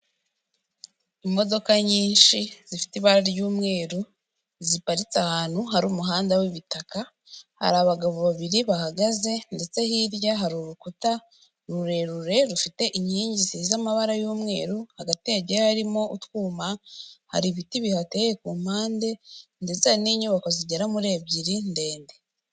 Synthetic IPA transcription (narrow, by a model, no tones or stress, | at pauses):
imo̞do̞kaɲiːnʃiz̥ifi̥tiβaɾaɾjuːmŋe̞ːɾu | zipaɾit͡sahaːn̥huɦaɾuːmuɦaːndawiβitaka | ha̰ɾaβaɡaβoβaβiɾiβahaɡaze̞nde̞t͡se̞hiɾjaɦaɾuɾukuta | ɾuɾe̞ɾuɾe̞ɾufite̞ʔiɲiːɲɟisizamaβaɾajuːmŋe̞ːɾuhaɡateɟehaɾimo̞ʔutwuːmaha̰ɾiβitiβihatejekuːm̥aːnde̞ndet͡saniɲuβakoziɟeɾamuɾe̞bɟiɾinde̞ːnde̞